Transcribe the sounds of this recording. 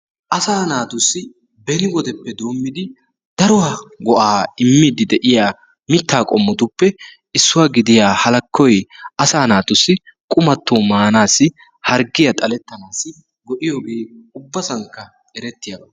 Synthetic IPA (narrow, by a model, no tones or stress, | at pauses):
ʔɐsaːnaːt̪ʊsːɪ | bɛnɪwɔd̪ɛpːɛd̪oːmːɪd̪ɪ | d̪ɐɾɔaɡɔʔaːɪmːid̪ɪd̪ɛʔɪjaː | mɪt̪ːaːkʼɔmːɔt̪ʊpːɛ | ɪsːʊwaːɡɪd̪ɪjaːhɐlɐkːɔjɐsaːnaːt̪ʊsːɪkʼʊmɐt̪ːoːmaːnaːsɪ | hɐɾɡɪjɐt̪ʼɐlɛt̪ːɐnaːsːɪ | ɡɔʔɪjoːɡe̞ːʊbːɐsɐŋkːɐ | ɛɾɛt̪ːɪjaːbɐ